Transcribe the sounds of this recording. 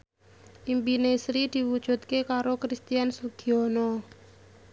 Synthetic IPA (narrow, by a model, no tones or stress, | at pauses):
ʔimpinesɾid̪̥i̤wud̥ʒ̥ṳt̪̚kekaɾokɾist̪ijansulɡ̥i̤ɔnɔ